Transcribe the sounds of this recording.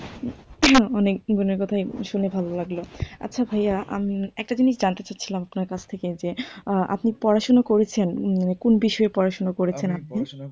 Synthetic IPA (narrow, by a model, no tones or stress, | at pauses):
ɔnekɡuneɾkɔt̪ʰajʃunebʱalolaɡloa̰tːɕʰabʱajaʔa̰miɛk̚ʈad͡ʑiniʃd͡ʑant̪et͡ɕatːɕʰilamapnaɾkat͡ɕʰt̪ʰeked͡ʑeʔa̰pnipɔɾaʃonokoɾet͡ɕʰenmanekonbiʃɔepɔɾaʃonokoɾet͡ɕʰenap̚ni